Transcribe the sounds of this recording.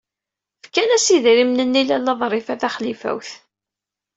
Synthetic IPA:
fkænæsiðɾimnənːilælːɑðˤɾˤɪfæθæχlifæ̰wθ

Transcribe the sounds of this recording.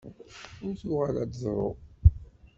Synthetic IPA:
ʊɾθuʁalæd̪zˤɾˤo̰

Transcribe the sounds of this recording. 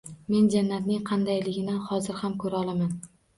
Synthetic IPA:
me̞nd͡ʒanːat̪nɪŋqʰɑnd̪ajlɪɡʲɪnɪhɒzɪɾhamkʰɵɾɒlˠaman

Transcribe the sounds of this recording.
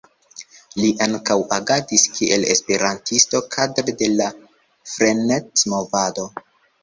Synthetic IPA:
liʔaŋkawaɡatiskʰiʔe̞le̞̰spe̞ɾantisto̞kʰadɾede̞la | fɾe̞netsmo̞vado̞

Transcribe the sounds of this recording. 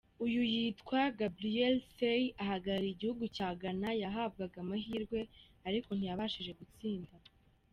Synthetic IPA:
ujujiːtkwaɡabɾielsejaɦaɡaɾiiɟihuɡucaːɡanajaɦab̚ɡaɡamaɦiɾɡwe̞ | aɾiko̞n̥ijaβaʃiʒe̞ɡut͡siːnda

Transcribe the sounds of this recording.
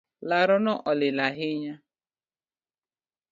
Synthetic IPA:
laɾʊnɔʔɔlɪlaɦɪɲa

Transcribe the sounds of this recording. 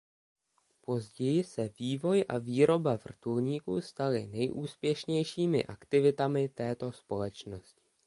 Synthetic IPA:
po̞zɟɛjɪsɛviːvo̞jʔaviːɾo̞bavr̩t̪ulɲiːkṵst̪alɪnɛjʔuːspjɛʃɲɛjʃiːmɪ̰ʔakt̪ɪvɪt̪amɪt̪ɛːt̪o̞spo̞lɛt͡ʃno̞scɪ̥

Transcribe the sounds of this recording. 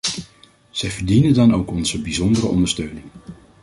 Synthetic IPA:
z̥ɛjvəɹdinəndɑnowkɔnzəbizɔndərə̰ʔɔ̰ndəɹstøɥnɪŋ

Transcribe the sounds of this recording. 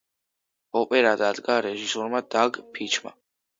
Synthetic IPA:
ɔpʼɛɾad̪ad̪ɡaɾɛʒisɔɾmad̪aɡpʰit͡ʃʰma̰

